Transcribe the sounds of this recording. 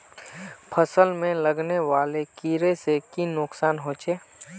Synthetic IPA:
pʰəsəlmẽləɡneʋaːlekiːɾesekinʊksaːnɦoːt͡ʃʰeː

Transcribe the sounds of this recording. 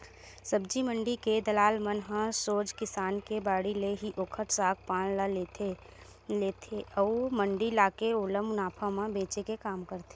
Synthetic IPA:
səbd͡ʒimə̃ɳɖiked̪ɐlaːlmənɦãsoːd͡ʒkɪsaːnkebaːɽileɦiʔoːkʰəʈ̪saːk̚ʰpãːɽ̃laleːt̪ʰe | leːt̪ʰeəːmə̃ɳɖilaːkeoːləmʊnaːpʰãmãbẽːt͡ʃekekaːmkəɾt̪e

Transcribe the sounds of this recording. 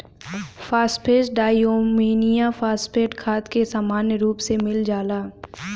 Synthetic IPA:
fʰaːspʰeːsɖaːjoːmiːnijafʰaːspʰeːʈkʰaːt̪kesaːmaːnjəɾuːpsemɪld͡ʒaːlaː

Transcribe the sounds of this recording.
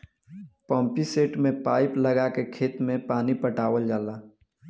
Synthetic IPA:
pɔ̃ːmpiseːʈmẽpaːɪpləɡakekʰeːt̪mẽpaːnipəʈaːwəld͡ʒaːlaː

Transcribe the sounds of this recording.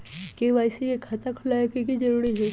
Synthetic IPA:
keʋaːjsejekʰat̪akʰʊlaekikid͡ʒɐɾuːɾiɦɛː

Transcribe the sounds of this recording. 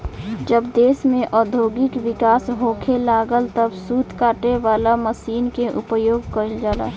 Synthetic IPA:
d͡ʒəbd̪eːsmẽʔɔːd̪ʱoːɡɪkʋɪkaːsɦoːkʰelaːɡəlt̪əbsuːt̪ʰkaːʈeʋaːlaməsiːnkeʔʊpəjoːɡ̚kəəld͡ʒaːla̰ː

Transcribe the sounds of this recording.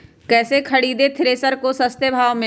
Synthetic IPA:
kɛːsekʰɐɽiːd̪et̪ʰɪɾeːsəɾkosɐst̪jəbʱaːʋmẽ

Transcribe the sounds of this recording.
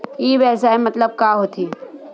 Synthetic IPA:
jiːʋɛːsaːemɐt̪ləb̚kaːɦoːt̪ʰiː

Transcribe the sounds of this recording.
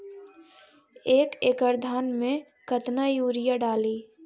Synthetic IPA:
eːkeːkəɾd̪ʱaːnmẽ | kət̪najuːɾɪjaɖaːliː

